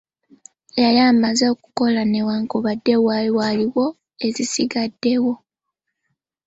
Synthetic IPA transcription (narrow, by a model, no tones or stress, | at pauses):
jajaːmazeoku̥ko̞lanewaŋkoβadːe̞wawaliwo̞ | e̞zisiɡadːe̞wo̞